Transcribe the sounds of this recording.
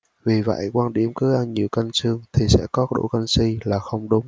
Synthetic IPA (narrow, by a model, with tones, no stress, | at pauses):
vi˨˩və̰˧˨jkwaː˧nɗḭ˧˩əmkɨː˨˦ʔa˧nɲi˨˩əwkə˧nsɨ˧əŋt̪ʰi˨˩sɛ̰˧˥kɔ˨˦ɗo̰˧˥kə˧nsi˧laː˨˩xə˧wŋ͡mɗʊ˨˦ŋ͡m